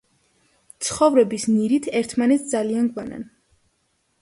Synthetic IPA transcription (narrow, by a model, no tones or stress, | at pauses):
t̪sʰχɔvɾɛbisniɾit̪ʰɛɾt̪ʰmanɛt̪sʰd̪zalianɡwana̰n